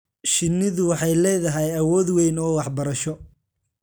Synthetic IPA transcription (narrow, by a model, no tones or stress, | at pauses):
ʃɪnːɪðʊwɑħɑjlɛːðɐɦɛjɐwɔːd̪wɛjnɔːwɑħbɐɾɐʃɔ